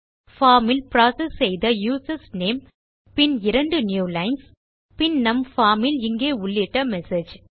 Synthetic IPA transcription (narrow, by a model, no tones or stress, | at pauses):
faːmɪlpɾaːsɛsːɛjðɐjuːsɐsneːm | pɪnɪɾɐɳɖɯnjuːlɐɪns | pɪnnɐmfaːmɪlɪŋɡeːʊɭːɪʈːɐmɛsed͡ʒ